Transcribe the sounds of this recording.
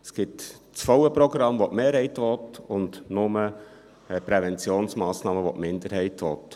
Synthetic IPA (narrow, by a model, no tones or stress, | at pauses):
sɡ̥ɪt | t͡sfɔwəpɾɔɡɾɑmʋoʔmeːɾhɛɪtʋɔtʊndnʊmə | ɛpɾɛvɛnt͡sjoːnsmɑːsnɑːməʋotmɪnd̪əɾɦɛɪtʋɔ̰t